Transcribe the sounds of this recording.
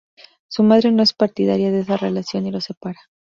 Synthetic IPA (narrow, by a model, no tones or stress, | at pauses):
sumað̞ɾe̞no̞e̞spaɾt̪iðaɾjaðes̬are̞lasjo̞nilo̞se̞paɾa